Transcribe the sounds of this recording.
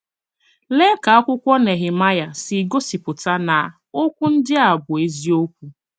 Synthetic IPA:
le˦ka˨a˦kʷʊ˦kʷɔ˦ne˨ɦɪ˨ma˦ja˨sɪ˨ɡo˦si˨pʊ˨ta˦na˨ | o˦kʷʊ˦n̩˦dɪ˦a˨bʊ˨e˦zi˦o˦kʷu˦

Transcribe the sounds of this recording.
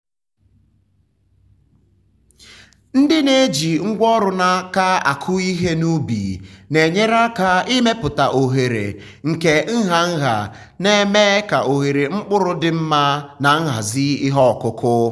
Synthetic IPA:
n̩˦dɪ˦ne˦d͡ʒi˨ŋ̩˦ɡʷɔ˦ɾʊ˨na˦ka˦a̰˨kʰʊ˦i˦ɦe˦nu˦bḭ˨ne˨ɲe˦ɾa˦ka˦i˦me˦pʊ˨ta˨ʔo˨ɦe˨ɾḛ˨ | ŋ̩˨ke˨ŋ̩˦ɦa˨ŋ̩˦ɦa̰˨ | ne˦me˦ka˨ʔo˨ɦe˨ɾe˨ŋ͡m̩˦k͡pʊ˦ɾʊ˦dɪ˦m̩˦ma˦na˨ŋ̩˦ɦa̰˨zi˦ɪ˦ɦɔ˦˨kʊ˦kʰʊ˦

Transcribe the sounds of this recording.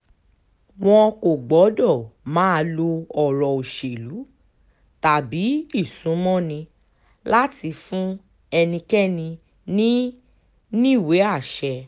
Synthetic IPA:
w̃ɔ̃˧ko˨ɡ͡bɔ˨˦dɔ˦˨mã˨˦˧lo˧ɔ˨ɾɔ˨o˨ʃe˨lu˨˦ | ta˨bi˨˦i˦˨sũ˨˦mɔ̃˦nĩ˧ | la˦ti˧fũ˦ | ɛ˧nĩ˧kɛ˦nĩ˧ | nĩ˦ | nĩ˦˨we˨˦a˦˨ʃɛ˧

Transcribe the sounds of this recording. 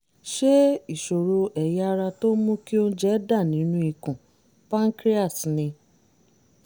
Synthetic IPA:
ʃe˦i˦˨ʃo˨ɾo˧ɛ˨ja˦˧˦ɾa˧to˦mũ˦ki˦o˦d͡ʒɛ˦da˦˨nĩ˨˦nũ˦i˨kũ˨ | pã˦ŋ̩˦kɾi˦a˦˨snĩ˧

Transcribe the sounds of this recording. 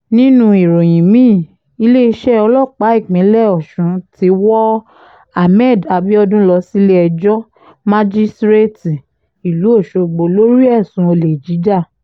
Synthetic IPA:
nĩ˦nũ˧i˨ɾo˨j̃ĩ˨mĩː˦˨ | i˧le˦i˧ʃɛ˦ɔ˧lɔ˦˨k͡pa˨˦i˦˨k͡pĩ˨˦lɛ˦˨ɔ˨ʃũ˨˦ti˧˦wɔ˦ | a˧mɛ˦˨da˨bi˦ɔ˧dũ˦lɔ˧si˦le˦ɛ˧d͡ʒɔ˦ | mã˦d͡ʒi˦stɾe˦ti˨ | i˨lu˨˦o˦˨ʃo˨˧ɡ͡bo˨lo˦ɾi˦ɛ˦˨sũ˨˦o˧le˨d͡ʒi˨˦d͡ʒa˦˨

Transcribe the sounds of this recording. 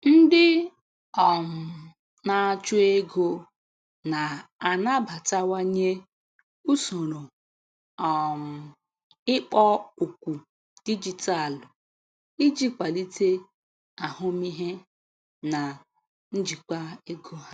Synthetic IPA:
n̩˦dɪ˦ | ɔ˨m̩˨ | na˨t͡ʃu˦e˦ɡo˦ | na˨a˨na˦ba˨ta˦wa˦ɲe˦ | u˦so˨ɾo˨ | ɔ˨m̩˨ | ɪ˦k͡pɔ˦u˨kʷu˨ | d̥i˦d͡ʒi˨ta˦˨l | i˦d͡ʒi˦k͡pa˨li˦te˦ | a˨hʊ˦mi˦ɦe˦ | na˨ | n̩˦d͡ʒi˨kʷa˦e˦ɡo˦ɦa˦

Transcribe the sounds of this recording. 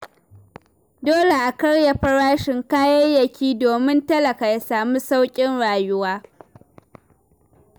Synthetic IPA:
doː˦le˨ʔa˨kɐ˦ɽja˨ɸɐ˦ɽaː˦ʃɪ˨ŋkaː˦jɐ˦jɐ˨kʲiː˦doː˨mɪ˦ntɐ˦lɐ˨ka˨ja˦saː˨mu˦sa˦wkʲʼɪ˦nɽaː˨jʊ˦waː˦

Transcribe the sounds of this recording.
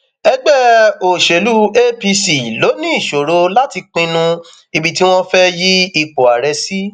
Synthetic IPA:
ɛ˧ɡ͡bɛ˦o˨ʃe˨lu˦e˦pi˧si˨lo˨˦nĩ˦i˦˨ʃo˨ɾo˨˦la˦ti˧k͡pĩ˧nũ˧ | i˧bi˨ti˦w̃ɔ̃˦fɛ˦ji˦i˧k͡po˨a˨ɾɛ˧si˦

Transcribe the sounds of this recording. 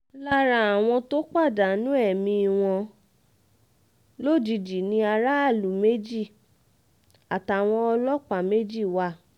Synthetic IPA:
la˦ɾa˧˦a˨w̃ɔ̃˧to˦k͡pa˦˨da˨˦nũ˦ɛ˦˨mĩ˧i˧w̃ɔ̃˧ | lo˦˨d͡ʒi˧d͡ʒi˨nĩ˧˦a˧ɾa˦a˦˨lu˨˦me˦d͡ʒi˦˨ | a˨ta˨w̃ɔ̃˧ɔ˧lɔ˦k͡pa˨me˦d͡ʒi˦˨wa˧˦˨

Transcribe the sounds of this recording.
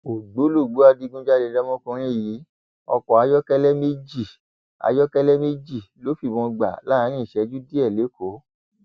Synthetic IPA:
o˨ɡ͡bo˨˦lo˦˨ɡ͡bo˨˦a˧di˧ɡũ˦d͡ʒa˦de˧˦da˦mɔ̃˦kũ˧ɾ̃ĩ˦˨ji˨˦ | ɔ˧kɔ˨a˨˧˦jɔ˦kɛ˦lɛ˦me˦d͡ʒi˦˨ | a̰˧jɔ˦kɛ˦lɛ˦me˦d͡ʒi˦˨lo˨˦fi˦˨mɔ̃˧ɡ͡ba̰˨la˦ã˨˦ɾ̃ĩ˦i˨ʃɛ˨˦d͡ʒu˦di˦ɛ˦˨le˨˦ko˨˦

